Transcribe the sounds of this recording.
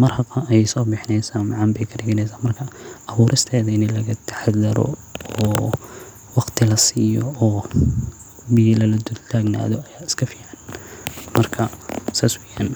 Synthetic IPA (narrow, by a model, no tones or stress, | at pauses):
mɐrhɐqɐʔɛjsɔːbɪħnɛjsaːnmɑʕɑmbɛjkʰɐɖɪɣɐnɛjsaːnmɐrkʰɐʔɐβuːɾʔɪst̪ʰɛːðɐɪnɪlɐɣɐt̪ʰɐ̥ħad̪ɐɾɔ̰ | ɔː | wɑqt̪ʰɪlɐsiːjɔ̰ɔː | bɪjɐlɐlɐd̪ʊd̪t̪ʰaːɡna̰ːðɔɐjaːɪ̥skʰɐfiːʕɑnmɐrkʰɐsaːswɛjaːn